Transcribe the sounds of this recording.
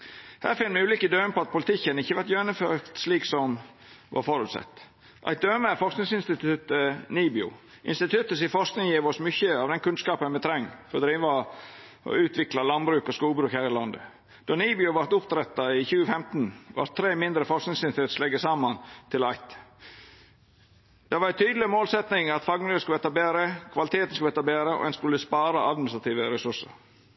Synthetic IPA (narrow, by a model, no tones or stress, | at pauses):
hæ̰ːɾfɪnːmɛʉːliːkəd̪øːnəpʰɔɑt̪̚pʰʊlɪt̪ɪçːənɪçːəʋɑɾt̪jøːnəføːɾt̪sliːksɔm | ʋʔɑ̰ɾfɔɾʉt̪sɑ̰t̪ː | ʔɑ̰ɪt̪̚d̪øːməfɔɾsknɪŋsɪnst̪ɪt̪ʉt̪əniːbɪʊ̰ | ʔɪ̰nst̪ɪt̪ʰʉt̪ːəs̬ɪfɔɾsknɪŋjiːʋɔsmʏçəɑʋd̪ɛnkʰʉnskɑːpənmɛt̪ʰɾɛŋːfɔɾɔd̪ɾiːʋɑ | ʔɔ̰ʉːt̪ʰʋɪklɑlɑnbɾʉːkɔskuːlbɾʉːkhæːɾɪlɑnd̪ə̰ | d̪̥ɔniːbɪʊʋɑɾt̪ʊpt̪ɾɛt̪ːɑiçʉːəfɛmt̪nʋɑ̰ɾt̪ʰːɾeːmɪnd̪ɾəfɔɾsknɪŋsɪnt̪ʰeːt̪slɛɡːəsɑmɑnt̪ʰɪlɑɪt̪ | d̪̥ɛʋɑɾæɪt̪ʰyːd̪l̩ɪmoːlsɛt̪nɪŋɑt̪fɑɡmnʉːəskʉlʋɛt̪ɑbeːɾəkʰʋɑlɪt̪ʰeːt̪ən̩skʉlʋɛːt̪ːɑbeːɾəɔ̰ɛnskʉlːəspɑːɾɑʔɑd̪mɪnɪst̪ɾɑt̪ʰiːʋəɾɛsʉʂə̰ɾ